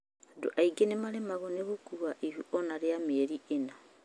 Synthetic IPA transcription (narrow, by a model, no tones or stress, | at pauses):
do̰ʔaiɡenemaɾemaɣoneɣukuβaʔihuʔɔnaɾeameɾiena